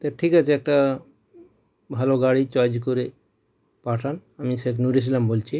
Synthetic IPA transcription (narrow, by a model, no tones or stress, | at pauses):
t̪eʈʰikat͡ʃʰeek̚ʈa | bʱaloɡaɽit͡ʃajd͡ʒkoɾe | paʈʰanamiseknuɾis̬lambolt͡ʃʰi